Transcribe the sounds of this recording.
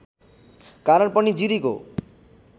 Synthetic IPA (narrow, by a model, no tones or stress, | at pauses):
kaɾaɾpɔnid͡ʑiɾiko̰